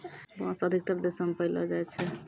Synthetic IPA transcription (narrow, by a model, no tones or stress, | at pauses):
bãsəd̪ʱik̚t̪əɾd̪esəmepəilɔ̰d͡ʒajt͡ʃʰɛ